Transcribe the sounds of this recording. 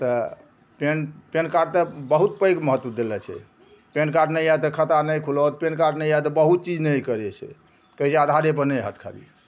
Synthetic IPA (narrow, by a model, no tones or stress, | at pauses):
t̪ə | penpenkaɾɖ̚t̪əbəɦut̪pəjkməɦət̪ːwəd̪elɛt͡ʃʰɛ̰ | penkaɾɖnəjat̪əkʰət̪anəjkʰulɔt̪penkaɾɖnəjat̪əbəɦut̪̚t͡ʃid͡ʒnəjkəɾɛt͡ʃʰɛ̰ | kəɦisɛad̪ʱaɾep̬əɾnəjɦət̪ʰkʰa̰lḭ